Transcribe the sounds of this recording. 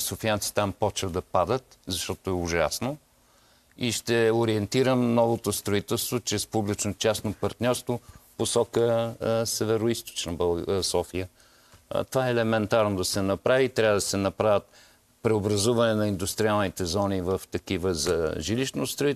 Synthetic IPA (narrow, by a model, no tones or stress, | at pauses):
sofiant̪si̥t̪ampɔt͡ʃvəd̪ɐpad̪ət̪zɐʃt̪ɔt̪oɛʊʒa̰sno | iʃt̪ɛoɾiɛnt̪iɾəmnɔvot̪ost̪ɾoit̪ɛlˠst̪vot͡ʃɾɛspublit͡ʃnot͡ʃasnopɐɾt̪nʲɔɾst̪voposɔkəsɛvɛɾoist̪o̥t͡ʃnɐbɐlˠsɔfijə̰ | t̪ovaɛːlɛmɛnt̪aɾnod̪ɐsɛnɐpɾaviːt̪ɾʲjavəd̪ɐsɛnɐpɾavʲət̪̚ | pɾɛobɾɐzuvɐnɛnɐind̪ust̪ɾialˠnit̪ɛzɔnivəft̪ɐkivəzɐʒiliʃnost̪ɾoi